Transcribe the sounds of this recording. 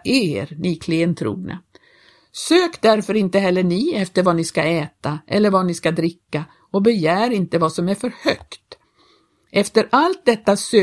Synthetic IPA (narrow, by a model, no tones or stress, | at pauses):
eɾnɪkʰleənt̪ʰɾṵːɡnʔa̰ | søːkd̪æɾfœɾɪnt̪əɦɛlːəɳɪɛft̪əɾvanɪskaɛːt̪aʔɛ̰lːəɾvanɪskad̪ɾɪkːa | ɔbɛjæːɾɪnt̪əvasɔmæɾfœɾhœkt̪ | ʔɛft̪əɾʔalt̪̚d̪ɛt̪ːasø